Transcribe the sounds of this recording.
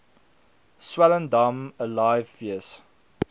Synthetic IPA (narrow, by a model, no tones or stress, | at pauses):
swælə̃ndɐməlajvfiəs